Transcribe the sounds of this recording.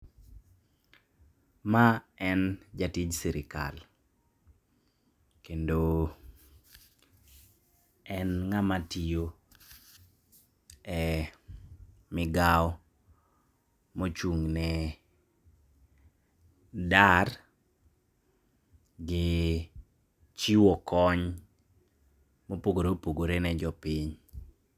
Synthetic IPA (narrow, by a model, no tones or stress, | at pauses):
maɛnd͡ʒatɪd͡ʒsiɾɪka̰l | kendo | ɛnŋamatijo | ɛ | mɪɡaɔ | mot͡ʃuŋnɛ | dar | ɡɪ | t͡ʃiwɔkɔɲ | mopoɡoɾopoɡoɾenɛd͡ʒɔpiɲ